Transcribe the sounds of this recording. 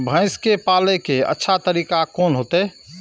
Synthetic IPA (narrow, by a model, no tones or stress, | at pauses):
bʱə̃ɪ̃skepaːlekeə̰tːʃʰat̪əɾiːkakɔːnɦoːt̪e